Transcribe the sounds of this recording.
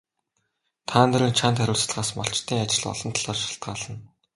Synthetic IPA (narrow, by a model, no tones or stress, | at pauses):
t̪ʰaːnt̪eɾɘ̆nt͡ɕʰant̪ʰæɾʲʊːɮsɮʁaːsmɔɬt͡ɕt̪ʰiːŋat͡ɕɪ̆ɮɔ̰ɮɞ̆nt̪ʰɮɔːrʃḁɬt̪̚ɢaːɮə̆n